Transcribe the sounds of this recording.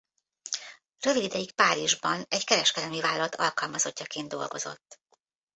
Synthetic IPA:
rø̞vidid̪ɛjik̚paːɾiʒbɒnɛɟkɛɾɛʃkɛd̪ɛlmivaːlːɒɒt̪ʰːɒ̰lkɒlmɒzo̞cːɒkeːnd̪o̞̰lɡo̞̰zo̞̰t̪ː

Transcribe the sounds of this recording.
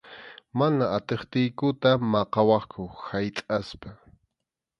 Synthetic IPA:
manaːt̪eχt̪ɪjkʊt̪amɑqɑwɑχkʰʊhajt̪ʼaspa

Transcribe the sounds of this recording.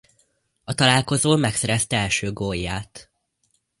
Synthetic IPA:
ɒt̪ɒlaːlko̞zoːmɛksɛɾɛst̪ɛɛlʃøːɡojːaːt̪

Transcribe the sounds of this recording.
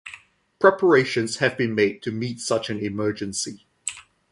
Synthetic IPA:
pʰɹ̥ɛpʰəɹeɪʃə̃nz̥həvbĩnmeɪd̚tʰəmiˑtsʌt͡ʃə̃nɪmɜːd͡ʒə̃nsi

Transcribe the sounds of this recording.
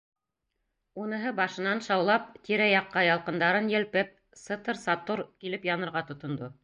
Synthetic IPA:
unɤ̆ɦɤbɑʃɤ̆nɑnʃɑwlˠɑp̚t̪iɾæjɑqːɑjɑlˠqɤ̆nd̪ɑɾɤnjɘ̆lpɘp̚ | sɤ̆t̪ɤɾsɑt̪oɾkilɘpjɑnɤ̆ɾʁɑt̪ŏt̪ŏnd̪o

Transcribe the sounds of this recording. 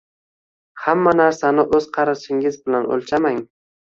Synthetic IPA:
hamːanaɾsanɪʔɵz̥qʰɑɾaʃɪŋɪzbɪlano̰lˠt͡ʃʰamaŋ

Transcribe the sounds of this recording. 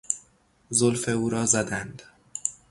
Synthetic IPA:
zolfe̞uːɾɒːzæd̪ænd̪̥

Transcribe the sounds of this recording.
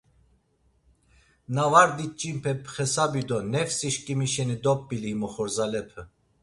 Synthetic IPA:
navaɾd̪it͡ʃʼimpʰɛpʰχɛsabid̪ɔnɛfsiʃkʼimiʃɛnid̪ɔpːilimɔχɔɾzalɛpʰɛ

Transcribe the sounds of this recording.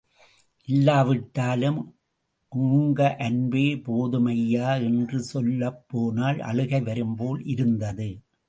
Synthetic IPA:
ʔɪlːaːʋɪʈːaːlɯm | ʔuːŋɡɐʔɐnbeːpoːðɯmɐjːaːɛndrɯsɔlːɐpːoːnaːlʔɐ̰ɭɯɣɐɪʋɐɾɯmpoːlʔɪɾɯnd̪ɐðɯ

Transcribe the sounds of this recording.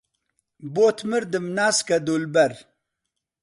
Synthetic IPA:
boːt̪ʰməɾd̪əmnaːskad̪ulbɐɾ

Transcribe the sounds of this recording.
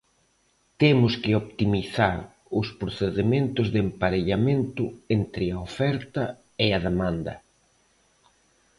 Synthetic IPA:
t̪emʊskɪopt̪imiθaɾ | ʊspɾoθeðemẽnt̪ʊzðempaɾeʎamẽnt̪ʊent̪ɾɪaofɛɾt̪ɐ | eaðemãnd̪ɐ̰

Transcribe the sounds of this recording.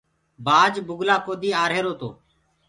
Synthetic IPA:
baːd͡ʒbʊɡlaːkoːd̪iːaːɾɦeːɾoːt̪o̰ː

